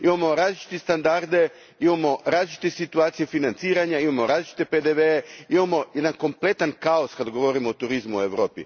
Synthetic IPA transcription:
imamo̞ɾaːzlit͡ʃi̥t̪est̪and̪aɾd̪e̞ | imamo̞ɾaːzlit͡ʃi̥t̪esit̪uaːt̪sijefinant̪siːɾaɲaimamo̞ɾaːzlʲit͡ʃi̥t̪eped̪eʋeeimamo̞jed̪anko̞mple̞t̪ankao̞skad̪ɡo̞ʋo̞ɾimoːt̪uɾizmue̞ʋɾo̞ːpḭ

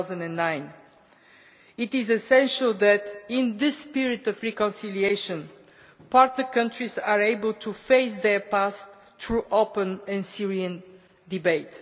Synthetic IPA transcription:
zə̃ndɛ̃nːãɪ̃n | ɪtɪzɛsɛ̃nʃəlˠðætɪ̃nðɪspiɹitɔvɹikɔ̃nsilieɪʃə̃n | paɹtnəɹkʌ̃ntɹizaɹeɪbəlˠtʰufeɪsðəpast̪ | ɹuʔoʊpə̃nɛ̃nsiɹiə̃n | dibeɪt

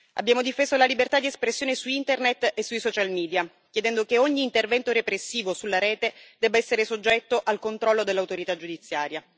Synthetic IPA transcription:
a̰bːjaːmod̪ifeːzolalibert̪ad̪iespɾesːjoːnesuint̪ernet̪ːesːujsɔt͡ʃalmiːd̪ja | kjed̪ɛnd̪okeoɲːiːnt̪ervɛnt̪oɾepɾesːiːvosulːaɾɛːt̪ed̪ɛbːaɛsːeɾesod͡ʒːɛt̪ːoʔalkont̪ɾɔlːod̪elːawt̪oɾit̪ad͡ʒud̪it̪sːjaːɾja

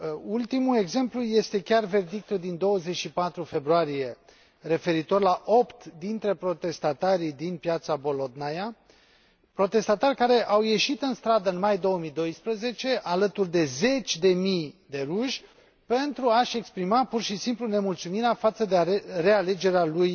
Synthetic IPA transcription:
ult̪imue̞ɡze̞mpluje̞st̪e̞kʲarve̞rd̪ik̚t̪uld̪ind̪o̞wəze̞t͡ʃʃipat̪ɾufe̞bɾuaɾije̞ | re̞fe̞ɾit̪o̞rʲlaʔo̞pt̪d̪int̪ɾe̞pɾo̞t̪e̞st̪at̪aɾid̪inpjat̪sabo̞lo̞d̪naja | pɾo̞t̪e̞st̪at̪arʲkaɾe̞ʔawje̞ʃit̪ɨnst̪ɾad̪əɨnmajd̪o̞wəmijd̪o̞jspɾəze̞t͡ʃe̞ʔalət̪urd̪e̞ze̞t͡ʃʲd̪e̞mijd̪e̞ɾuʃʲ | pe̞nt̪ɾuaʃe̞kspɾimapurʃisimplune̞mult̪sumiɾeafat̪səd̪ere̞ale̞d͡ʒe̞ɾealuj

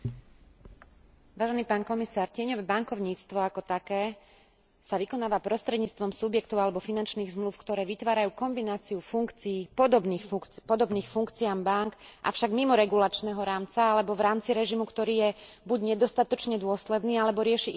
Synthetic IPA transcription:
ʋaːʒɛniːpaːnkɔmisaːɾcɪɛɲɔʋɛbaŋkɔʊɲiːt͡st̪ʋɔakɔt̪akɛː | saʋikɔnaːʋapɾɔst̪ɾɛd̪ɲiːt͡st̪ʋɔmsubjɛkt̪ɔʊalɛbɔfinant͡ʃniːɣzmlufkt̪ɔɾɛːʋit̪ʋaːɾajuːkɔmbinaːt͡siufuŋkt͡siːpɔd̪ɔbnixfpɔd̪ɔbniːxfuŋkt͡siaːmbaŋkʔa̰fʃaɡmimɔɾɛɡulat͡ʃnɛːɦɔɾaːmt͡saalɛbɔʋɾaːmt͡siɾɛʒimukt̪ɔɾiːjɛbuɟɲɛd̪ɔst̪at̪ɔt͡ʃɲɛd̪ʊɔslɛd̪niːalɛbɔɾɪɛʃiʔ

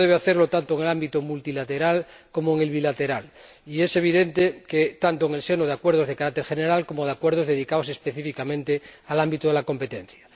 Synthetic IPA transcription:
ðeβ̞eaθeɾlot̪ant̪oeŋelambit̪omult̪ilat̪eɾal | ko̞moeŋe̞lβilat̪e̞ɾal | ie̞se̞β̞iðe̞nt̪eket̪ant̪oeŋe̞lse̞noð̞eakwe̞ɾð̞ozð̞ekaɾakt̪eɾxeneɾalko̞moð̞eakweɾð̞ozðeðikaose̞speθifikamẽnt̪ealambit̪oð̞elako̞mpe̞t̪en̟θja

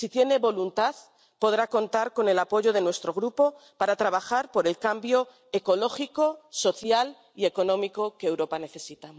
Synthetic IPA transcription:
sit̪je̞ne̞βo̞lunt̪aθ | po̞ð̞ɾako̞nt̪aɾko̞ne̞lapo̞ʝo̞ð̞e̞nwe̞st̪ɾo̞ɣ̞ɾupo̞paɾat̪ɾaβaxaɾpo̞ɾe̞lkambjo̞ | e̞ko̞lo̞xiko̞so̞θjal | ie̞ko̞nõ̞miko̞keːwɾo̞pane̞θe̞sit̪a

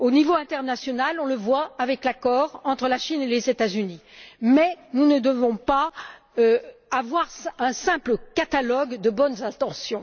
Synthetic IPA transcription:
onivoɛ̃t̪ɛʁnasjɔnalɔ̃ləvwaːvɛklakɔʁɑ̃t̪χəlaʃinelezet̪azynimɛnunəd̪əvɔ̃pa | øavwaʁsɛ̃sɛ̃pləkat̪alɔɡd̪əbɔnzɛ̃t̪ɑ̃sjɔ̃

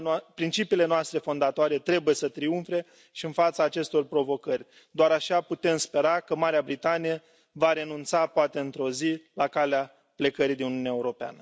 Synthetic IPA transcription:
pɾint͡ʃipiːle̞noast̪ɾe̞fo̞nd̪at̪oaɾe̞t̪ɾe̞buje̞sət̪ɾiunfɾe̞ | ʃiɨnfat̪saːt͡ʃe̞st̪o̞rpɾo̞vo̞kərʲ | d̪oaɾaʃaput̪e̞mspe̞ɾakəmaɾeabɾit̪anije | vaɾe̞nunt̪sapoat̪e̞ɨnt̪ɾo̞zilakalea | ple̞kəɾid̪inunijuneaeuɾo̞pea̰nə

